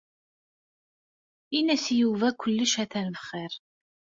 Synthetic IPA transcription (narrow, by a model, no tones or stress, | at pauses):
inæsjuvækʷəlːəʃæθænvəχːɪɾ